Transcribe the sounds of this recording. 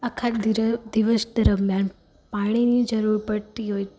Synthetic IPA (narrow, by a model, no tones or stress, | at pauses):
ɐkʰad̪iʋəsd̪ɐɾəmjãːn | paɽ̃inid͡ʒəɾuːɾpəɽt̪iɦoj